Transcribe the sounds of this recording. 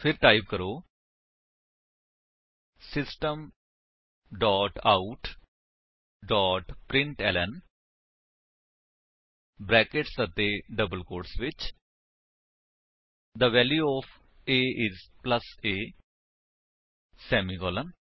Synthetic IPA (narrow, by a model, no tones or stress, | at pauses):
pʰɪɾʈaːibkəɾoː | sɪsʈəm | ɖɔːʈaːuʈ | ɖɔːʈpɾɪ̃ɳʈɛːlɛn | bɾɛːkɪʈsət̪eːɖəbəlkoːɾʈsʋɪt͡ʃ | d̪əʋɛːljuːɔːpʰ | eːʔɪzpləseː | sɛːmiːkɔːlən